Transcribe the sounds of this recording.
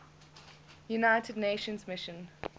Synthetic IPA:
junaɪtʰədneːʃə̃nzmɪʃə̃n

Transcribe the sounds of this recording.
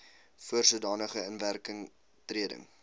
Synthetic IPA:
fuərsuədɑːnəχəənværkəŋ | triədə̰ŋ

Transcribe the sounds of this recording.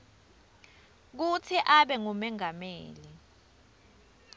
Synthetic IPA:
k̬ut͡sʰiʔaɓɛŋumɛŋameːli

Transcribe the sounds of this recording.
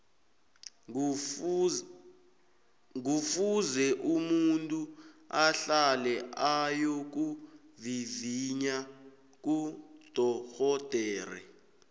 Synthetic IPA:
ŋufuzɛʔumuntʼuaɬalɛʔajok̬u | viviɲa | k̬ud̥ʱɔxɔd̥ʱɛːrɛ̰

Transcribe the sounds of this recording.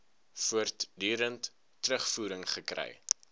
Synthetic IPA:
fuərtdyːɾəntː | rəχfuːɾəŋχəkrɛ̰j

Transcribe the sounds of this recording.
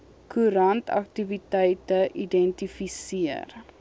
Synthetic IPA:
kʰuɾɐntɐ̰k̚tivitəjtəʔidɛntifisiər

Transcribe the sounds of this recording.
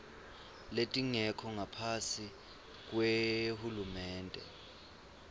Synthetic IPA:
letʼiŋɛkʰɔŋapʰasi | k̬ʼwehulumɛːntʼɛ̰

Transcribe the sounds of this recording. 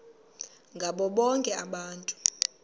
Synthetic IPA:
ŋɡʱaɓɔɓɔŋkʼɛaɓaːntʼu̥

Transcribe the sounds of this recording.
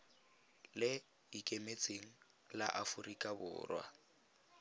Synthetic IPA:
lɪ | ikʼemet͡sʼeŋ̩ | la̰ʔafʊrikʼabʊ̰ːrwa̰

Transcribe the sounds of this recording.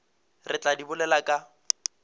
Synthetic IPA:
rɪt͡ɬʼadibʊlɛlakʼa

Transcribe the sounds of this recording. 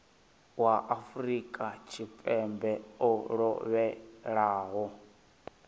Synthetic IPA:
waʔafuɾikʼat͡ʃʰipʼɛmbɛɔɺɔβɛɺaːɦɔ

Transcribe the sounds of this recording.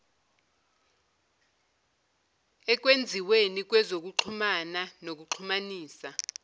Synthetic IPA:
ɛk̬wend͡zʱiwenik̬wɛzok̬uǃʰumananok̬uǃʰumaniːsa

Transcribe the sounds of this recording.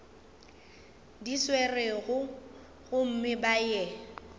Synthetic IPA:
diswerɪɣʊ | ɣʊm̩mɪbajɛ

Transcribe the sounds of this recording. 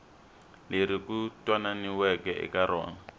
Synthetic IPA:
leɾikutʼwananiwɛkɛʔɪ̰kaɾɔ̰ːŋa

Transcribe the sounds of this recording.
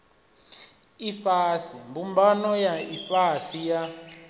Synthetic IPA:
ifasimbʱumbʱanɔjaifasija

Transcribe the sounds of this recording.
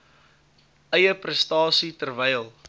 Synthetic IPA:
ʔəjəprəstɑːsitərvɛjlˠ

